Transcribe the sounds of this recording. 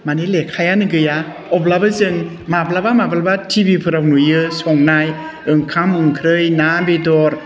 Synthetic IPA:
manelekʰajanɯɡɯja | ɔplabɯzɯŋ | mablabamablabatʰibipʰɯɾawnujɯsɔŋnajɯŋkʰamɯŋkʰɾɯjnabedɔɾ

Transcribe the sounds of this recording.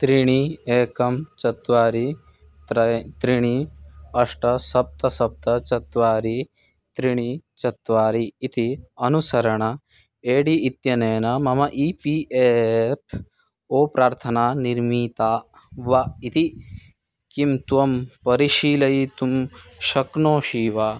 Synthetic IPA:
t̪ɾiɳ̃ieːkɐmt͡ʃɐt̪ʋaːɾi | t̪ɾɐt̪ɾiɳ̃iɐʂʈɐsɐp̚t̪ɐsɐp̚t̪ɐt͡ʃɐt̪ʋaːɾi | t̪ɾiɳ̃it͡ʃɐt̪ʋaːɾiːt̪iɐnusɐɾɐɳɐ | eːɽiːt̪jɐneːnɐmɐmɐʔipiʔepʰ | oːpɾaːɾt̪ʰɐnaːniɾmiːt̪aː | ʋait̪i | kimt̪uʋɐmpɐɾiʃiːlɐit̪umʃɐknoːʃiːʋaː

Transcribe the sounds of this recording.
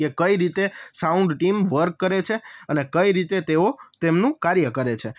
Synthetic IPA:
ekəiɾit̪esauɳɖʈimʋəɾkːəɾet͡ʃʰeənekəiɾit̪et̪eot̪emnũkaɾjəkəɾet͡ʃʰe

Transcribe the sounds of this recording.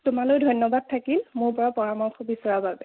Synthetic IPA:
tʊmalojdʱɔjnːɔbad̚tʰakilmʊɹpɔɹapɔɹamɔxʰɔbisɔɹababɛ

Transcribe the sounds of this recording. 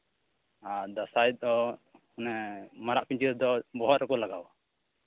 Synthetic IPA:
ad̪asaj̪̚ɔ | ɔnɛmaɾaʔpiɲt͡ʃiɾd̪ɔbɔɦɔt̪ɾɛkɔlaɡawa

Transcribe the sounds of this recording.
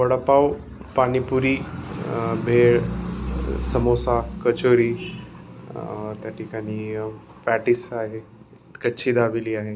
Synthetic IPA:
ʋəɽəpaw | paɽ̃ipuɾiː | bʱeɭ | səmosakət͡ɕoɾiː | t̪jaʈʰikaɽ̃iː | pɛʈisaɦe | kəɕʰiːd̪aʋiliːaɦe

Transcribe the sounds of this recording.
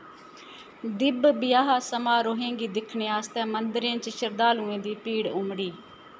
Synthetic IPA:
d̪ɪbbɪjaːɦaːsəmaːɾoːɦẽːŋɡiːd̪ɪkʰɳeːaːst̪ɛ̃ːmənd̪ɾẽːt͡ʃəʃəɾd̪aːlũːẽːd̪iːpiːɽʊmɽiː

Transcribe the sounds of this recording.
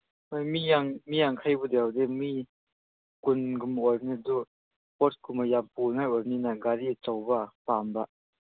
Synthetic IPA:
ɔjmijaŋmijaŋkʰajbud̪ɛwdɛmi | kunɡumʔɔjrnidu | pɔt̚kumajampuŋajʔɔɾninaɡaɾit͡sɔwbapaːmbaʔ

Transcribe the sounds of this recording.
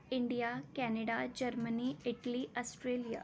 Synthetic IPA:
iɳɖijakɛneɽad͡ʑəɾməniiʈliɔsʈɾelija̰

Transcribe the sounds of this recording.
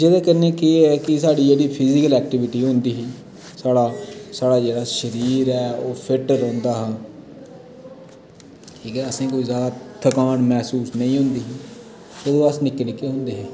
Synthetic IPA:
d͡ʒeːd̪ãːkəneːkeɛːkɪsaːɽiːd͡ʒeːɽiːpʰɪzɪkəlɛːk̚ʈɪʋɪʈiːɦʊ̃nd̪iːɦiː | saːɽaːsaːɽaːd͡ʒeːɽaːʃəɾiːɾɛːoːpʰɪʈɾɔ̃ːnd̪aːɦãː | ʈʰiːkɛːəsĩːkoːiːzjaːd̪aːt̪ʰəkaːnmɛːsuːsnəĩːɦõnd̪iːɦiː | oːd̪õːəsnɪkːnɪkeːɦʊ̃nd̪eːɦɛː

